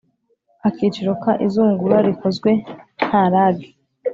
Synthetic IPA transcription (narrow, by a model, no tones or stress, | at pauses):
akiːt͡ʃiɾokaʔizuːŋɡuɾaɾiko̞zɡwe̞n̥haɾaːbɡi